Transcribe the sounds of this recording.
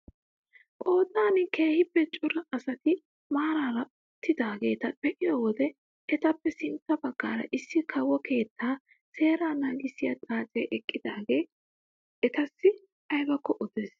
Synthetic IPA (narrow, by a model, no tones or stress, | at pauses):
ʔʼo̞ːd̪aːnɪke̞ːhɪpːɛt͡ʃʼʊɾɐʔːsɐt̪ɪ | maːɾaːɾɐ | ʊt̪ːɪd̪aːɡe̞ːt̪ɐpɛʔɪjowɔd̪ɛ | ɛt̪ɐpːɛsɪnt̪ːɐbɐɡːaːɾɐ̰ʔɪsːɪkʰɐwɔkʰe̞ːt̪ːaː | se̞ːɾaːnaːɡɪsɪjat̪ʼaːt͡sʼɛːʔɛkʼːɪd̪aːɡe̞ː | ɛt̪ɐsːɪ | ɐjbɐkːɔʔɔd̪eːs